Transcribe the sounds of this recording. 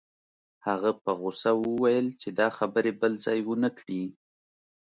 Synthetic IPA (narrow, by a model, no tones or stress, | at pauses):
haɣapəɣʊsawəwajəlt͡ʃed̪ɑxabəɾebəlzɑjwənakɽi